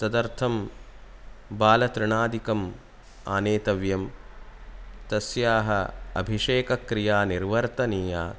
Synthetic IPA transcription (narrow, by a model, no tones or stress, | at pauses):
sɐd̪ɐɾt̪ʰɐm | baːlɐt̪ɾɪɳaːd̪ikɐm | aːneːt̪ɐʋjɐm | t̪ɐsjaːɦɐɐ̰bʱiʂeːkɐkɾijaːniɾʋɐɾt̪ɐniːjaː